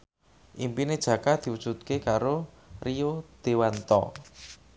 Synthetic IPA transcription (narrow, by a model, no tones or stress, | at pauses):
ʔimpined̥ʒ̥ä̤kad̪̥i̤wud̥ʒ̥ṳt̪̚kekaɾo | riod̪̥ewant̪ɔ̰